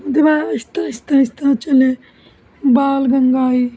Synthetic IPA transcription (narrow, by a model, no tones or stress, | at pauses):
d̪ibãːɐst̪ãst̪ãːist̪ãːt͡ʃɐle | baːlɡɐŋɡaːi